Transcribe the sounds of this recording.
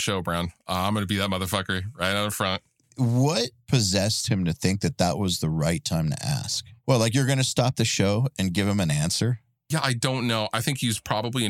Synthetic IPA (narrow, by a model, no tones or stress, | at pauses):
ʃoʊbɹãʊ̃nʌãɪ̃mɡʌ̃nəbiðɨt̚mʌðə˞fʌkə˞iɹaɪɾãəfɹʌ̃nt̚ | wʌt̚pʰɨzɛst̚hɨ̃mtɨθɪ̃ŋk̚ðɨt̪̚ðəʔ̚wʌzðəɹaɪtʰãɪ̃mtʰɨ̰ʔæ̰sk̚wɛlaɪk̬jə˞ɡʌnɨstɑp̚ðɨʃoʊɨ̃nɡɪv̥ɨ̃mɨ̃næ̃nsə˞ | jæʔaɪdõʊ̃nːoʊʔaɪθɪ̃ŋkhiz̥pʰɹ̥ɑbəbliɨ̃